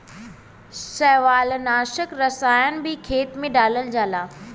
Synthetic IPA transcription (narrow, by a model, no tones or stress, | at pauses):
sɛːʋaːlnaːʃəkɾɐsaːjənɪ̆bʱɪkʰeːt̪mẽɖaːləld͡ʑaːlaː